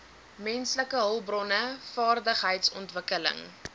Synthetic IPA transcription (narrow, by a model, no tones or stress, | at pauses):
mɛnsləkəɦəlˠbrɔnəfɑːrdəχɦəjtsɔ̰ntvəkələ̰ŋ